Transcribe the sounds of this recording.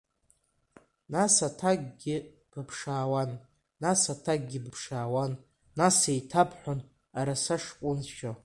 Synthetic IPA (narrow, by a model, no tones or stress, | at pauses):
nasatʰaɡɡʲɪ | b̥ɨpʰʂaːwanː | asatʰaɡ̚ɡʲɪbɨpʰʂaːwanː | asejtʰapʰħʷon | aɾasaʂkʷʼʊnʃᶣo